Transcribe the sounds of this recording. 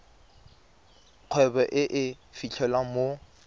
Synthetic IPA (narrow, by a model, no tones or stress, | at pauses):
q͡χʰwɛbɛʔɪʔɪfit͡ɬʰɛlwamo